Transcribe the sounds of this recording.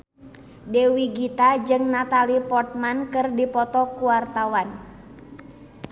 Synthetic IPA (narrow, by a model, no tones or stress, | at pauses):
dewiɡit̪ad͡ʒɨŋnat̪alipɔrt̪̚mankɨrdipɔt̪ɔkuwart̪awan